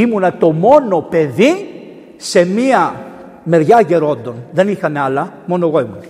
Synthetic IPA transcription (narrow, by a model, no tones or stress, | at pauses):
imunɐt̪o̞mo̞nope̞ði | se̞miɐ | me̞ɾʝɐʝe̞ɾo̞nd̪o̞nðe̞nixɐneɐlɐmo̞noeɣo̞imunɐ